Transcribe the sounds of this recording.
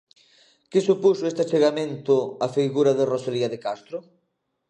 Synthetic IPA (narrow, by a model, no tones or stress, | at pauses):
kɪsupusʊest̪at͡ʃeɣamẽnt̪ʊafiɣuɾɐðerosoliɐðekast̪ɾʊ